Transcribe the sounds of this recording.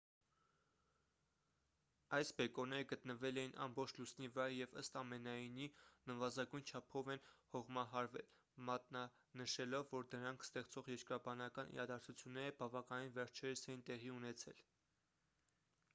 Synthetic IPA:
ɑjsbɛkɔnɛɾəɡət̪nəvɛlɛjinʔɑ̰mbɔχt͡ʃʰlusnivəɾɑɾjɛvə̰st̪ɑmɛnɑjninəvɑzɑɡujnt͡ʃʰɑpʰɔvɛnhɔʁmɑɦɑɾvɛ̰l | mɑt̪̚nɑ | nəʃɛlɔvːɔɾd̪əɾɑŋkʰst̪ɛʁt͡sɔʁjɛɾkɾɑbɑnɑkɑnḭɾɑd̪ɑɾt͡sʰut͡sʰjunːɛɾəbɑvɑkɑninvɛɾt͡ʃʰɛɾəsɛjint̪ɛʁiunɛt͡sʰɛl

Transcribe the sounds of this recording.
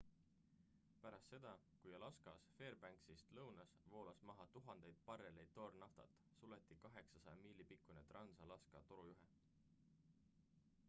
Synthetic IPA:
pæɾɑst̪se̞d̪̥ɑ | kujɑlɑskɑsfe̞ːrbæŋksist̪lɤwnɑsvo̞ːlɑsmɑɦɑt̪uɦɑnd̪̥e̞jd̪̥̚pɑrelejd̪̚ːo̞rnɑft̪ɑ̰t̪ːˑ | sule̞t̪ːˑikɑɦe̞ksɑsɑjɑmiːlipikːˑunet̪rɑnsɑlɑskɑt̪o̞ɾujuɦe

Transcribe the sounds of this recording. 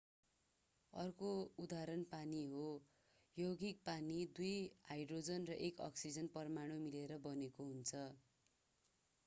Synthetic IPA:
ʌ̰rkoud̪aɾʌnpaniɦo | joɡik̚panid̪ujajɖrod͡zʌnrʌʔekʌ̰ksid͡zʌnpʌrmaɽ̃omileɾʌbʌnekoɦunt͡sʰʌ

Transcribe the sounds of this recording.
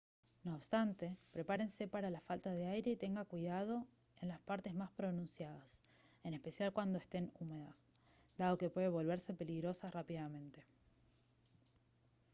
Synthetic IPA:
no̞ːβst̪ant̪e̞pɾe̞paɾe̞nse̞paɾalafalt̪aðe̞ajɾe̞it̪e̞ŋɡakwiðað̞o̞ | e̞nlaspaɾt̪e̞zmaspɾo̞nũnsjaðas | e̞ne̞spe̞sjalkwand̪o̞est̪e̞nume̞ðas | d̪að̞o̞ke̞pwe̞ðeβo̞lβ̞e̞ɾse̞pe̞liɣɾo̞sarapiðamẽ̞nt̪e̞̥

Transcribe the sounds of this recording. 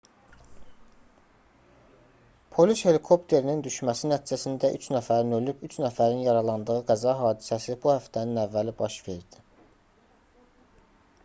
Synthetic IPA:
pʰo̞lishe̞likʰo̞pt̪ʰe̞ɾinind̪yʃmæsinæt̪ʰid͡ʒæsind̪æʔyt͡ʃʰnæfæɾinø̞lybyt͡ʃʰnæfæɾinjɑɾɑlˠɑnd̪ɯɣɯɡæzɑɦɑːd̪isæsibuhæft̪ʰæninævːælibɑʃve̞ɾɾd̪̥i

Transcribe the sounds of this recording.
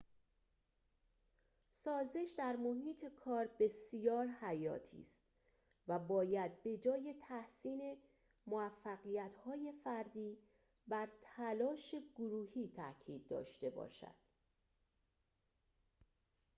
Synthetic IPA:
sɒːze̞ʃd̪æɾmo̞ɦiːt̪ʰe̞kʰɒːɾbe̞sijɒːɾhæjɒ̰ːt̪ʰḭːst̪ | væbɒːjæd̪̚be̞d͡ʒɒːje̞t̪ʰæhsiːne̞ | moæfːæɣijæt̪hɒːje̞fæɾd̪iː | bæɾt̪ʰælɒːʃe̞ɡoɾuːhiːt̪ʰæcʰiːd̪̚ːɒ̰ːʃt̪e̞bɒ̰ːʃæ̰d̪̥

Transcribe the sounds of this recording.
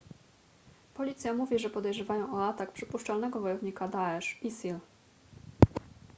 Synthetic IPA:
pɔlʲit̪sʲjamuvʲiʐɛpɔd̪ɛjʐɛvajɔ̃w̃ɔat̪akpʂɘpuʂt͡ʂalnɛɡɔvɔjɔvɲikad̪aɛʂisil

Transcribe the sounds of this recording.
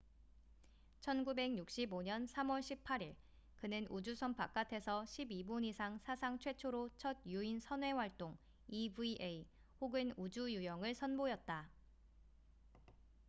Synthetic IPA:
t͡ɕʰʌnɡube̞ɡɲuk̚ɕ͈iboɲʌnsʰamwʌɭɕʰip̚pʰːaɾiɭ | kɯnɯnʔud͡ʑusʰʌnpʰak͈atʰe̞sʰʌɕʰibiboɲisʰaŋsʰasʰaŋt͡ɕʰwe̞t͡ɕʰoɾot͡ɕʰʌd̚juinsʰʌnwe̞waɭt͈oŋ | ibuiʔei | hoɡɯnud͡ʑujujʌŋɯɭsʰʌnbojʌt̚t͈a

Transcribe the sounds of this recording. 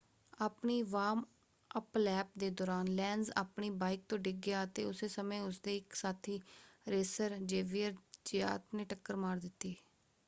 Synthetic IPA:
aːpniːʋaːm | əplɛːp̚d̪eːd̪ɔːɾaːnlɛːnza̰ːpniːbaːɪk̚t̪õːɖɪɡjaːət̪eːʊseːsəmẽːʊsd̪eːɪksaːt̪ʰiːɾeːsəɾd͡ʒeːʋijəɾd͡ʒɪja̰ːt̪nẽːʈəkːəɾmaːɾd̪ɪt̪ːiː

